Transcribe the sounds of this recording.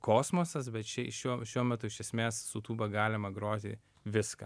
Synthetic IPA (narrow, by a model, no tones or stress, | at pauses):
koːsmoːsɐsbʲɛt̪t͡ʃʲɛʃʲuɔʃʲuɔmʲɛt̪ʊɪʃʲɛsʲmʲeːssʊt̪uːbɐɡɑːlʲɪmɐɡɾoːt̪ʲɪ̰ | ʋʲɪskɐː